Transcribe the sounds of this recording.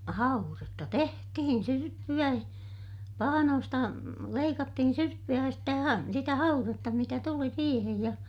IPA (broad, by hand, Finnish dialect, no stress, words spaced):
hɑuretːɑ tehtihin syrpːyæ pɑhɑnoːstɑ leikɑtːihin syrpːyæ jɑ stæ hɑ sitæ hɑuretːɑ mitæ tuli siːhej jɑ